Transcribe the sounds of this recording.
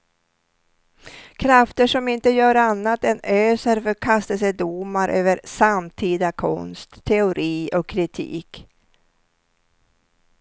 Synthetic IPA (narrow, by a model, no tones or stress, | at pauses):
kʰɾaft̪əʂɔmɪnt̪əjœːɾanːat̪ɛnøːsəɾfœɾkʰast̪əsɛd̪umaɾʔøːvəɾsamt̪ʰiːd̪akʰɔ̰nst̪ʰːɛʊɾʔiːɔkʰːɾɪt̪ʰḭːk